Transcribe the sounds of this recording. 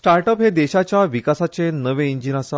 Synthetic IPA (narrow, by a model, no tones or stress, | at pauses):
ʈaɾʈəpɦed̪eɕat͡ɕjaʋikasat͡senəʋeiɲd͡ʑinasa